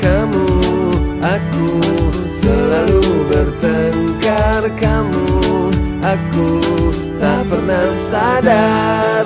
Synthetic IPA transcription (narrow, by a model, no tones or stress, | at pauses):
kamu | aku | səlalubəɾt̪əŋkarkamu | aku | t̪apərnasada